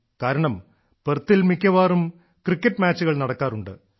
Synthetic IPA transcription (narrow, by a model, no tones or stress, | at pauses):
kaːɾɐɳɐm | pert̪ːilmikʲːɐʋaːrum | krikʲːɐʈːmaːt͡ɕːuɣɐɭnɐɽɐkːaːruɳɖɨ̰